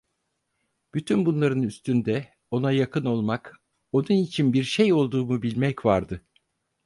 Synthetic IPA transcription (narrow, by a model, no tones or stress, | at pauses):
b̥yt̪ʰynbunlˠaɾɯnyst̪ʰynd̪ɛ | o̞najakʰɯno̞lˠmak | o̞nunit͡ʃʰinbiɾʃejo̞lˠd̪uːmubilʲmɛcvaɾd̪ɯ